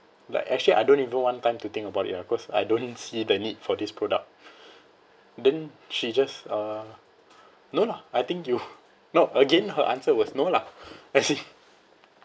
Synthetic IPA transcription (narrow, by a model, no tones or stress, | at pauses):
la̰ɪkɛ̰k̚t͡ʃuəliʔa̰jdõnivə̃nwãntãɪ̃mtut̪ɪ̃ŋkəbaʊtḭt̚bakɔsa̰jdõnsidənid̚fɔdispʰɹodə̰k̚ | dɛ̃n | ʃid͡ʒasa | nolaajt̪ɪ̃ŋkju | noʔəɡẽnɦəʔãnsəwɔsnolaajsi